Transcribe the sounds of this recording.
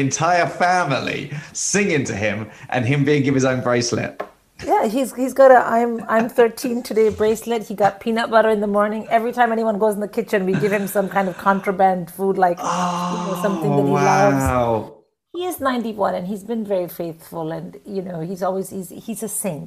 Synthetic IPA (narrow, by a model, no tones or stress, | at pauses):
ɨ̃ntʰaɪəfæml̩ḭsɪ̃ŋɪ̃ŋtʰɨɪ̃mʔə̰̃nɪ̃mbiɪ̃ŋɡɪṽɨzõʊ̃nbɹeɪslɪ̰t̚ | jæizhizɡoɾəʔã̰ɪ̃mãɪ̃mθɜ˞tʰĩntʰɨdeɪbɹeɪslɪt̚hiɡɑt̚pʰĩnʌp̚b̥ʌɾə˞ɨ̃nðəmɔɹnɪ̃ŋɛvɹitʰãɪ̃mɛniwʌ̃nɡoʊz̃n̩ðɨkʰɪt͡ʃɨ̃nwiɡɪv̥ɨ̃msʌ̃mkʰãɪ̃ndʌv̥kʰɑ̃ntɹ̥əbæ̃nd̥fudˡlaɪkjɨnoʊsʌ̃mθɪ̃ŋðɨhwilaʊ | hiɪznãɪ̃ntiwʌ̃nɨ̃nizbɨ̃nvɛɹifeɪθfəlˠɨ̃njɨnoʊhizɔlˠwiz̥hizhizɨsẽn